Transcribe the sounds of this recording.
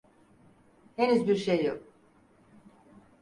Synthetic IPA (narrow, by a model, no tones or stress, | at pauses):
henyzbiɾʃejːok̚